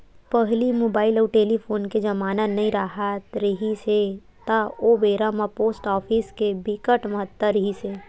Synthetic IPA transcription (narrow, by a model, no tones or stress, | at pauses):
pəɦlimoːbaːɪlɔːɾʈeːlipʰoːnked͡ʒɐmaːnənɐĩɾaɦat̪ɾəɦise | t̪aobeːɾamapoːsʈɔːpʰiːskebɪkəʈməɦət̪ːəɾəɦise